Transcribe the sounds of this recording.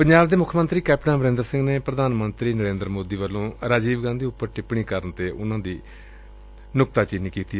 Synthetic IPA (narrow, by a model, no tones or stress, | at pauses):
pəɲd͡ʒaːbd̪eːmʊkʰːmənt̪ɾiːkɛːpʈnãːməɾẽːnd̪əɾsɪ̃ŋɡneːpɾəd̪aːnmənt̪ɾiːnəɾẽːnd̪əɾmoːd̪iːʋəlːõːɾaːd͡ʒiːʋɡãːnd̪iːʊpːəɾʈɪpɳiːkəɾənt̪eːʔʊnãːd̪iː | nʊk̚t̪aːt͡ʃɪniːkiːt̪iː